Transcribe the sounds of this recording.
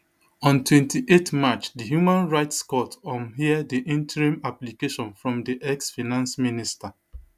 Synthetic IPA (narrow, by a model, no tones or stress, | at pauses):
ɔ̃ntwɛ̃ntiʔetmat͡ʃdiɦjumãnɹaɪtskɔtɔ̃mɦiadiʔĩntɹĩmaplikeʃɔ̃nfɹɔ̃mdiʔɛksfinãnsminista